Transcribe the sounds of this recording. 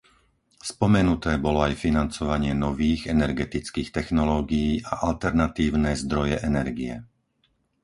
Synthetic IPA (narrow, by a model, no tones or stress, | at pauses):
spɔmɛnut̪ɛːbɔlɔajfinant͡sɔʋaɲɪɛnɔʋiːɣɛnɛɾɡɛt̪it͡skiːxt̪ɛxnɔlɔːɡijiːʔaʔalt̪ɛɾnat̪iːʊnɛːzd̪ɾɔjɛʔɛnɛɾɡiɛ̰